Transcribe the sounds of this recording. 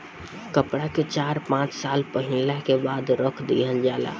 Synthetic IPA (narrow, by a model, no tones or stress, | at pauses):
kəpɽaket͡ʃaɾpãt͡ʃsalpəɦilakebad̪ɾəkʰd̪ḭɦənd͡ʒala̰